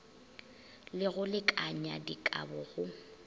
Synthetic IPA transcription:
lɪɣʊlɪkʼaɲadikʼa̰bʊɣʊ

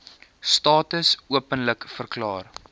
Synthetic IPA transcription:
stɑːtəsuəpənləkfərklɑːr

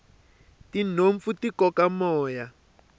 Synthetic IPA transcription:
tinoɱfutikɔkamɔːja

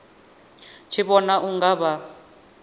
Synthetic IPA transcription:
t͡ʃʰiβɔnaʔuŋɡaβa

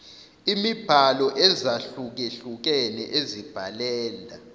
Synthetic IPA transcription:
imib̥ʱalɔʔɛzaɬuk̬eɬuk̬ɛnɛ̰ʔezib̥ʱalɛːla

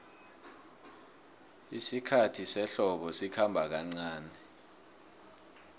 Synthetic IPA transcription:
isikʰatʰisɛɬɔɓɔsikʰambʱak̬aŋ͡ǀaːnɛ

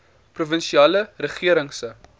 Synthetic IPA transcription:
pruvənʃiɑːlərəχiəɾəŋsə

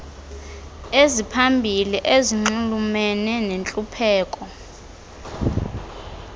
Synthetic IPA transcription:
ezipʰambʱiliʔeziŋ͡ǀulumɛnɛnent͡ɬʼupʰɛːkʼɔ

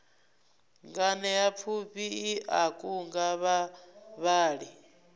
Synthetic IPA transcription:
ŋɡanɛjap̪fʰuɸiːʔakʼuŋɡaβaβaːɺi

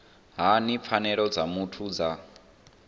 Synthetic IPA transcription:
ɦanip̪fʰanɛɺɔd͡zamutʰud͡za

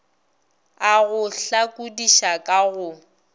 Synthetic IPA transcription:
aɣʊɬakʼudiʃakʼaɣʊ

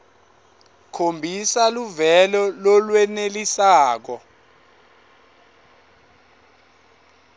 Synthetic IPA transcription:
kʰombʱisaluvɛlɔlɔlwɛnelisaːk̬ɔ

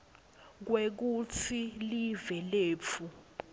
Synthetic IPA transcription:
k̬wek̬ut͡sʰilivɛleːp̪fʰu

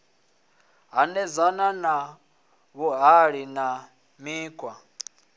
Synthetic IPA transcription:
ɦanɛzanana | βɔɦaɺina | miːkʰʼwa

